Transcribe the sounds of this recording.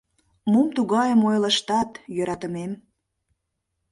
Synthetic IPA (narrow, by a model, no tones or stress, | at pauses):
mumt̪uɣɑjəmojləʃt̪ɑt̪jøɾɑt̪əmem